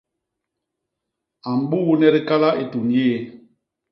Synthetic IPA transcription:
a˨m̩˨ɓu˦nɛ˦ɾi˦ka˦la˦ʔe˨tu˨njeː˦˨

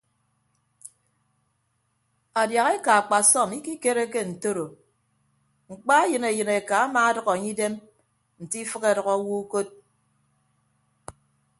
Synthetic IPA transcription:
a˨dja˨ɣe˦ka˨a˨k͡pa˨sɔ˦˨mi˦ki˦ke˦ɾe˦ke˦n̩˨to˦ɾo˨ | ŋ͡m̩˨k͡pa˦jɨ˨ne˨jɨ˨ne˨ka˨a˦maː˨˦a˦dʌ˨ɣɔ˨a˨ɲi˦de˦m | n̩˨ti˦fɨ˦ke˦˨ɾɔ˨ɣɔ˦wu˦ko˦t̚

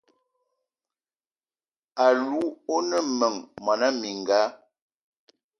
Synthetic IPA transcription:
a˨lu˦o˦nə˦mə˨ŋmɔ˨na˦mi˨ŋ˨ɡaː˨˦

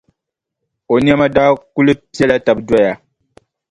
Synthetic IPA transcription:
o˨ni˦ɛ˦ma˦daː˦ku˦lɨ˦pi˦ɛ˦la˦ta˨bdwa˦ja˨

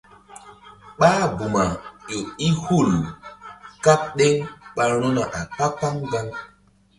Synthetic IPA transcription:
ɓaː˦bu˨ma˨jo˨i˦hu˦˨l | ka˦k̚ɗe˦ŋɓa˦lu˦na˨ʔa˨k͡pa˦k͡pa˦ŋɡa˦ŋ

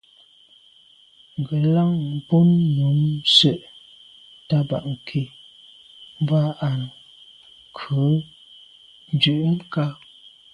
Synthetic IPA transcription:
ŋ̩˨ɡə˨la˦ŋ˨po˦nːu˨˦msə˦ʔ | ta˦ba̰˨ʔŋ̩˨kʰe˨ | m˦ba˦a˨n˨ | kʰʉ˨˦ | n˨d͡ʒʉ˨ʔŋ̩˦ka˦

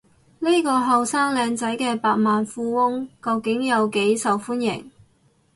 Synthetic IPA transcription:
ni˥kɔː˧ɦɐ˨wsaː˥ŋlɛː˧ŋt͡sɐ˨˥jkɛː˧paː˧t̚maː˨nfuː˧wʊ˥ŋkɐ˧wkɪ˨˥ŋjɐ˨˧wke˨˥jsɐ˨wfuː˥njɪ̰˨˩ŋ

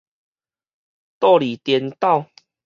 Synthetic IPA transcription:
t̪ɔ˥˦˨li˨˩t̪jɛ˧nt̪a˥˨ʊ

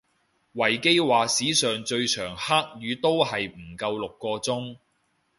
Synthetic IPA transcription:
wɐ˨˩jke˥jwaː˨siː˨˥sœː˨˩ŋt͡ʃɵ˧ɥt͡ʃʰœː˨˩ŋhaː˥k̚jyː˨˧t̪o˥whɐ˨jm̩˨˩kɐ˧wlʊ˨kːɔː˧t͡sʊ˥ŋ

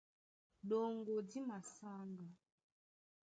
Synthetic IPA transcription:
ɗo˨ŋɡo˨di˦ma˨sa˦ŋɡa˨

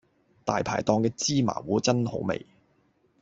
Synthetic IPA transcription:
t̪aː˨jpʰa̰ː˨˩jt̪ɔː˧ŋkɛː˧t͡siː˥ma̰ː˨˩wuː˨˥t͡sɐ˥nho̰˨˥wmḛ˨j

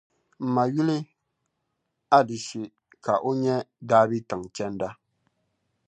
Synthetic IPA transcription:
m̩˨ma˨ju˦lɨ˦ | a˦dɪ˨ʃi˨ | ka˨ʔo˦ɲɛ˦daː˦bi˦tɨ˨ŋ˨t͡ʃɛ˦nda˦

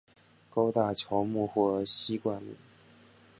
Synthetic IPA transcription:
ko˥ʊt̪a˥˩t͡ɕʰjɔ˧˥ʊmu˥˧xwɔ˥˩˧ɕi˥kwa˥˩nlḭ˨˩˦

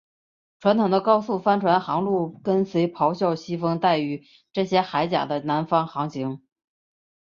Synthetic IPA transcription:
ʈ͡ʂʰwa˧˥nt̪ʰʊ˨˩ŋd̪ə˦kɑ˥ʊsu˥˩fa˥nʈ͡ʂʰwa˧˥nxɑ˧˥ŋlu˥˩kə˥nswe˧˥ɪpʰɑ˧˥ʊɕjɑ˥˧ʊɕi˥fɤ˥ŋt̪a˥˩ɪy˧˥ | ʈ͡ʂɤ˥˩ɕjɛ˥xa˧˥ɪt͡ɕja̰˨˩d̪ə˦na˧˥nfɑ˥ŋxɑ˧˥ŋɕi˧˥ŋ

